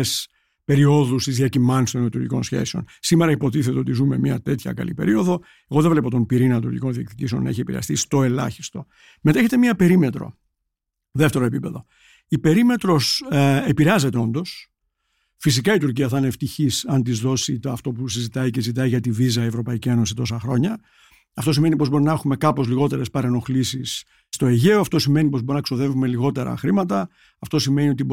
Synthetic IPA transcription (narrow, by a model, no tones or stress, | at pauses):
s | pe̞ɾio̞ðust̪izðiɐcimɐnst̪onɐt̪uɾjḭko̞nsçḛsio̞̰nsimeɾɐipo̞t̪iθet̪eo̞t̪izume̞mɲɐ̰t̪e̞t̪çɐ̰kɐ̰lḭpe̞̰ɾio̞ðo̞ | eɣo̞ðevle̞pot̪o̞mpiɾinɐɐt̪uɾʝḭko̞nðiɐkt̪ic̪iseonːɐ̰eçie̞piɾeɐ̰st̪ist̪o̞e̞lɐ̰çi̥st̪o̞ | meeçet̪e̞mɲɐpe̞ɾime̞t̪ɾo̞̰ | ðeft̪e̞ɾo̞epipe̞ðo̞̰ | ipe̞ɾime̞t̪ɾo̞sepiɾeɐze̞t̪e̞o̞nd̪o̞s | fisikɐit̪uɾciɐθineft̪içisɐnt̪izðo̞sit̪ɐft̪o̞pusizit̪ɐiceszit̪̬ɐiʝɐt̪ivizɐievɾo̞pɐicie̞nosiset̪o̞sɐxɾo̞ɲɐ | ɐft̪osime̞nipo̞zbo̞ɾinɐe̞xume̞kɐpozliɣo̞t̪e̞ɾespɐɾeno̞xlisisː | t̪o̞eʝe̞oɐft̪o̞sime̞nipo̞zbo̞ɾinɐkso̞ðe̞vume̞liɣo̞t̪e̞ɾɐ̰xɾimɐt̪ɐ | ɐft̪o̞sime̞nio̞t̪ib